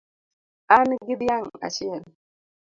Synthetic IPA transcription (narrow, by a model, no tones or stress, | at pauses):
anɡidijaŋa̰t͡ʃiɛn